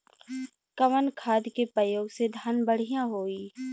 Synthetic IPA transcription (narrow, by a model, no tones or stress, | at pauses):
kəʋənkʰaːd̪kepɾəjoːɡsed̪ʱaːnbəɽ̤ijãɦoːiː